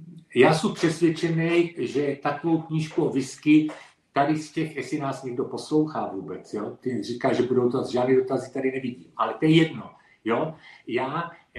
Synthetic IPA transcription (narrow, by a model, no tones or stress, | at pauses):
jaːsumpr̝̥ɛsvjɛt͡ʃɛnɛjʒɛt̪akovo̞wkɲiːʃkuovɪskɪ | t̪adɪscɛxɛsɪnaːsɲɛɡdo̞po̞slo̞wxaːvuːbɛt͡sjot̪ɪrikaːʒɛbudowt̪azʒaːdnɛdo̞t̪azɪt̪adɪnɛviɟiːmʔalɛt̪ojɛjɛdno̞ | jojaː